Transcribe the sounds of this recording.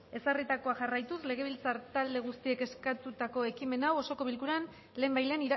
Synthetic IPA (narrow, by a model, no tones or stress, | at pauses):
e̞sarit̪ako̞aʝarajt̪usle̞ɣ̞e̞β̞ilt͡saɾt̪ald̪e̞ɣ̞ust̪ie̞ke̞skat̪ut̪ako̞e̞kime̞nawo̞so̞ko̞βilkuɾan | le̞ːmbajleːniɾ